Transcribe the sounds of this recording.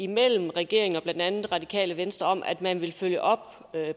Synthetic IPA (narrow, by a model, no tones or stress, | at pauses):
imel̰m̩ʁɛɡ̥e̝̰ɐeŋn̩ɒ̽b̥lænd̥ænð̩ˠʁɑ̈d̥ikʰɛ̰ːləʋensd̥ʁɐɒ̽m̰ʔæd̥mænʋe̝lføljəʔɒ̽b̥